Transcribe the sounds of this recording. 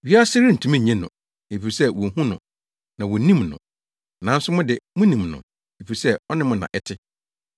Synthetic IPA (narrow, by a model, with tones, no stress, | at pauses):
ɥi˦a˦sɪ˦ɾɪ˦n̩˨tʰũ˦mĩ˦˨ɲɛ̃˦nʊ̰̃˨ | e˨fi˨sɛ˦wɔ˨hũ˦nʊ̰̃˨ | nã˨wɔ˨˦nĩ˦mnʊ̰̃˨ | nã˨˦n̩˦sʊ˦mʊ̃˦dɪ˨mʊ̃˦nĩ˨mnʊ̰̃˨ | e˨fi˨˦sɛ˦ɔ˦nɪ̃˦mʊ̃˦nã̰˨ʔɛ˦tʰɪ˦